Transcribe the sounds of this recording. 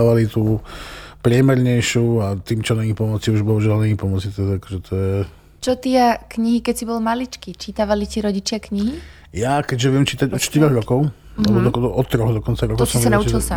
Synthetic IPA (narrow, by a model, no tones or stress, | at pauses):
ʋalit̪uːpɾɪɛmɛɾɲɛjʃuat̪iːmt͡ʃɔnaɲipɔmɔt͡siuʒbɔɦuʒalnaɲipɔmɔt͡sit̪ɔakɔʒɛt̪ʰɔjɛ | t͡ʃɔt̪ɪɛkɲiɦikɛcsibɔlmalit͡ʃkit͡ʃit̪aʋaliciɾɔɟit͡ʃɪakɲiɦi | jakɛɟʒɛʋɪɛmt͡ʃiːt̪aɟɔtʃt̪iɾɔɣɾɔkɔʊ | alɛbɔɔʔɔt̪ɾɔɣd̪ɔkɔnt͡saɾɔk̪ɔɔsɔmʋsiɛaut͡ʃilsa